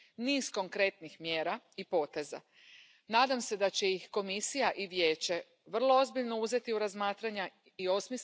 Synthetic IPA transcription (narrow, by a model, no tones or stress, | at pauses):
niːzko̞ŋkɾe̞t̪nixmjeːɾaipo̞ːt̪e̞za̰ | naːd̪amse̞d̪at͡ɕe̞jixko̞misijaʔiʋje̞ːt͡ɕe | ʋr̩lˠo̞ozbiʎno̞uze̞t̪iuɾazmaːt̪ɾaɲa | io̞smis